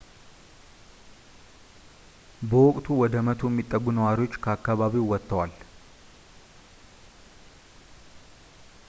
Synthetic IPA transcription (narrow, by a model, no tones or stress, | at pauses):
bəwɔkʼt̪ʰuwɔd̪əmət̪ʰujɛmːit̪ʼːəɡːunɐwaɾɪwo̞t͡ʃːkʰəakːaβaβiwwɔt̪ːɐwal